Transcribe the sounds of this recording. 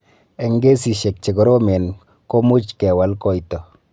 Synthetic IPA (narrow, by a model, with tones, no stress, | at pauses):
e˨ŋɡe˦si˨ʃe˨k̚t͡ʃe˨ɡɔ˨ɾo˦me˨n | ko˦mʊ˦t͡ʃkɛ˨wa˨˦lkɔ˦˨itɔ˨